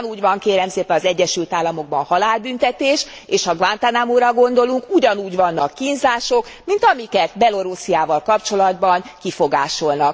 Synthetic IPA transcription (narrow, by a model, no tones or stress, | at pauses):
nuːɟʋɒŋkeːɾɛmseːpɛnɒzɛɟːɛʃylt̪aːlːɒmo̞ɡ̚bɒ̰nhɒlaːlbynt̪ɛt̪eːʃ | eːʃhɒɡʋant̪anamuɾɒɡo̞nd̪o̞luŋkuɟɒnuːɟʋɒnːɒkːinzaːʃo̞kmint̪ɒmikɛt̪bɛlo̞ɾusiaːvɒlkɒpt͡ʃo̞lɒd̪bɒŋkifo̞ɡaːʃo̞lnɒk